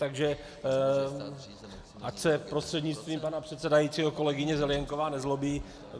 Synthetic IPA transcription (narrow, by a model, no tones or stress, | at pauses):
t̪aɡʒɛ | ʔacsɛpɾo̞st̪r̥ɛdɲɪt͡st̪viːmpanapr̝̥ɛt̪sɛdajiːt͡siːɦoko̞lɛɡɪɲɛzɛljɛŋko̞vaːnɛzlo̞biː